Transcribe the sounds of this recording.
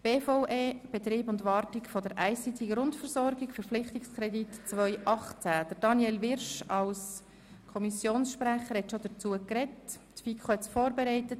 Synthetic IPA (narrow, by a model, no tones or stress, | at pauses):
b̥eːfoʊʔeːb̥ɛt̪riːbʊndʋɑːrtɪkfɔd̥əɾʔæɪsit̪iɡəɾʊntfəɾszɔɾɡɪkfəɾplɪχtɪkskʰɾɛditt͡sʋœʏʔɑχt͡sæd̥əd̥ɑnjɛlʋɪɾʃɑls | kʰɔmisjoːnsʃpɾæχəɾhɛtʃod̥ət͡suəkrɛt | tfikʰχohɛt͡sfoːrbɛɾɛɪtət